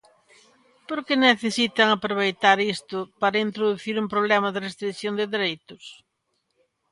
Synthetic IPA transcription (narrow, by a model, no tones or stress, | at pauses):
poɾkeneθesit̪ɐŋapɾoβ̞ejt̪aɾist̪ʊpaɾɐint̪ɾoðuθiɾumpɾoβlɛmɐðɪrest̪ɾiθjond̪ɪðeɾejt̪ʊs